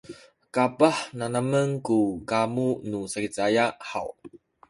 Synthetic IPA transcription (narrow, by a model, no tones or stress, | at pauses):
kapaħnanaməŋkukamunusakit͡sajaʔħa̰w